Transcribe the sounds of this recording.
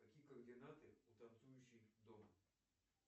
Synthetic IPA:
kɐkʲikərd̪ʲɪnat̪ɨut̪ɐnt̪sujʉɕːɪjd̪omə

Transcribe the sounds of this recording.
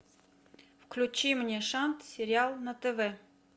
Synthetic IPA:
fklʲʉt͡ɕimnʲeʂant̪sʲɪɾʲɪalˠnət̪ɛvɛ

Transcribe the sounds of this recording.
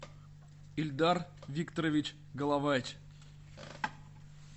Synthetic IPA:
ɪlʲd̪arvʲikt̪əɾəvʲɪt͡ɕ | ɡəlˠɐvat͡ɕʲ

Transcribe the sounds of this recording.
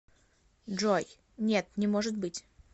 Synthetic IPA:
ʐoj | nʲet̪̚nʲɪmoʐɨt̪̚bɨtʲ

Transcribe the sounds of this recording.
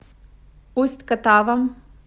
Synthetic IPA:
ust̪kat̪aːʋam

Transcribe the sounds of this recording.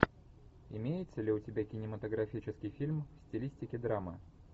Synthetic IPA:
ḭmʲejɛt̪sːɐlʲiut͡sʲɪbʲekʲinʲɪmɐt̪ɐɣɾafʲit͡ʃɛskʲifʲilʲmsʲt͡sʲilʲisʲtʲikʲid̪ɾamɨ̰

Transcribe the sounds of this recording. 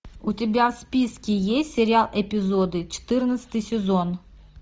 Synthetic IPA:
ut̪ʲɪbʲawsʲpʲiskʲɪjesʲtʲsʲɪɾʲɪalˠɛpʲɪzɔd̪ɨt͡ʃɪ̥t̪ɨrnət̪sə̥t̪ɨjsʲɪzɔn

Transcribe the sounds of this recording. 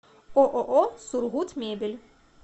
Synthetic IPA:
ɔʔɔʔɔsuɾɦut̪ʰmʲebʲilʲ

